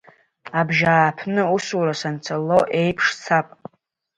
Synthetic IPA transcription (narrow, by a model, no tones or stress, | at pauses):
abʒaːpʰnɨusuɾasant͡sʰalo̞ʔe̞jpʰʂt͡sʰapʼ